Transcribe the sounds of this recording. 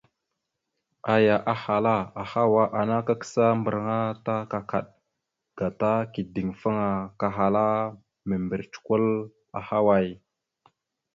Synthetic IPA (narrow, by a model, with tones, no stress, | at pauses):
a˨ja˨ʔa˨ha˨la˦a˨ha˦wa˦ʔa˨na˦ka˦kə̥˦sa˦mbə˨ɾŋa˦ta˦ka˨ka˨ɗ̚ | ɡ̥a˨ta˦ki˨di˨ŋfa˦ŋa˨ka˨ɦa˨la˦ | mə˨mbə˨ɾt͡ʃu̥˨ku˦l | a̰˨ha˦wa˦˨j